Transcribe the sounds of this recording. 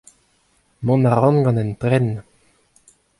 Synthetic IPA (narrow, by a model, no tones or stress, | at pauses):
mɔ̃naʁɔ̃nɡɑ̃nɛnt̪ʁɛn